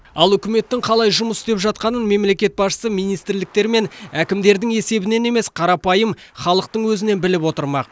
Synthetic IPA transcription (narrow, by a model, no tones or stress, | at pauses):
ɑlˠʏkʲɪme̞t̪ːɪŋqʰɑlˠɑjʒʊməst̪e̞pʒɑt̪̚qɑnənme̞mle̞kʲe̞t̪̚bɑsʃə̥səmijnijst̪ɪɾlɪk̚t̪e̞ɾme̞nækʲɪmd̪e̞ɾd̪ɪŋe̞se̞bɪne̞ne̞me̞sqʰɑɾɑpɑjəm | χɑlˠəq̚t̪əɴwɵzɪne̞nbɪlɪpwo̞t̪əɾmɑ̰q